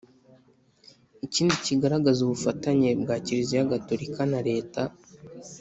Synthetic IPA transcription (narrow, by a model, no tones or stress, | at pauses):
iciːndiciɡaɾaɡazuβufataɲe̞bɡaːciɾizijaɡatoɾikʰanaɾe̞ːta